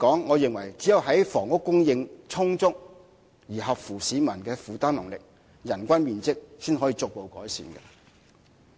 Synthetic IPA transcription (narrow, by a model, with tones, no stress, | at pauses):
kɔː˨˥ŋːɔː˨˧jɪ˨ŋwɐ˨˩jt͡siː˨˥jɐ˨˧wɦɐ˨˥jfɔː˨˩ŋʊ˥kːʊ˥ŋjɪ˧ŋt͡sʰʊ˥ŋt͡sʊ˥k̚ | jiː˨˩ɦɐ˨p̚fuː˨˩siː˨˧mɐ˨˩nkɛː˧fuː˨˧t̪aː˥nlɐ˨˩ŋlɪ˨k̚ | jɐ˨˩nkʷɐ˥nmiː˨nt͡sɪ˥k̚syː˥nɦɔː˨˥jiː˧t͡sʊ˨k̚po˨˧wkɔ̰ː˨˥jsḭː˨nkɛ̰˧